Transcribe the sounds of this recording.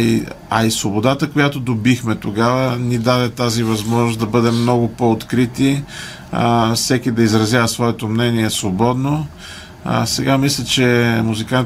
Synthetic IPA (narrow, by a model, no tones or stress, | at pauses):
iɐisvobod̪at̪əkojat̪od̪obixmɛt̪oɡavənid̪ad̪ɛt̪azivɐzmɔʒnʊsd̪ɐbɤd̪ɛmːnɔɡʊpoːt̪kɾit̪i | fsɛkid̪ɐizɾɐzjavəsvɔɛt̪omnɛniɛsvobɔd̪no̰ | sɛɡamislʲət͡ʃɛmuzikan